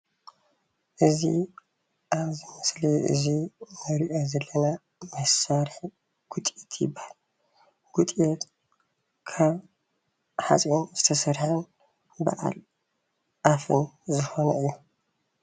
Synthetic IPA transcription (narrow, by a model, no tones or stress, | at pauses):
ʔɨzḭ | ʔaβzɨmɐsliʔɨ̰zimɐɾiʔozɐlːɐna | mɐsaɾħ | ɡ̥ut̪ʼet̪ʰjɪ̰bːahal | ɡ̥ut̪ʼiɛt̪ | kʰaβ | ħa̰t͡sʼjonzɨt̪ʰɐsɐɾħɐn | ba̰ʔa̰l | ʔafɨnzɨxo̞nɐɨjːu